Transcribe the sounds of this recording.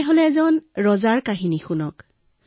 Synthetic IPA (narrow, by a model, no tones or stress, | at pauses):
ɦolɛɛzɔnɹɔzaɹkaɦinixunɔk